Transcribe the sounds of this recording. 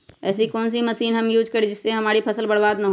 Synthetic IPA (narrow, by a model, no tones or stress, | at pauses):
ɛ̰ːsikɔːns̬imɐsiːnɦɐmjuːd͡ʒkɐɾed͡ʒɪsːeɦɐmaːɾipʰɐsəlbɐɽbaːd̪nɐɦo